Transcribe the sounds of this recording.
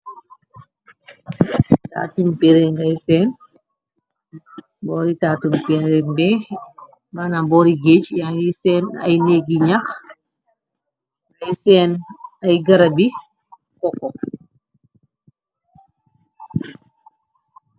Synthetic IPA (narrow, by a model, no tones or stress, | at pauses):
ta̰tumpeɾeŋɡajsɛn | bɔːɾitaːtumpeɾembɛ | banabɔɾiɡet͡ʃjaisɛna̰jneɡiɲax | ɡajsɛːnajɡaɾabi | kɔkːɔ